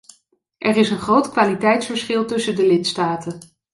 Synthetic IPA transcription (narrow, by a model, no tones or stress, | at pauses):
ʔɛrɪsənχrowtkʋaːlitɛjtsfəɹsχɪlˠtɵsəndəlɪtstaːtən